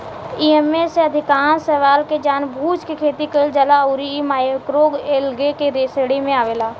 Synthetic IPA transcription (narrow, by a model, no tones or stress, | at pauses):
iːemeseɐd̪ʱɪkaːnsəʋaːlked͡ʒaːnbʱuːt͡ʃkikʰeːt̪ikəld͡ʒəlauɾimaːjəkɾoːɡeːlɡekeɾeːseɽimẽaːʋeːlaː